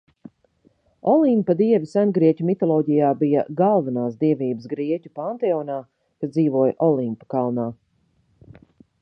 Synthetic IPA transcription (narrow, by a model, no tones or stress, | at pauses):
ɔlˠimpɐd̪iɛvisænɡɾiɛcʲumit̪ɔlˠɔːɟijaːbijɐ̰ɡalˠvanaːsd̪iɛviːbəsɡɾiɛcʲupant̪ɛɔːnaː | kasd̪ziːvuɔjʔɔlˠimpḁkalˠnaː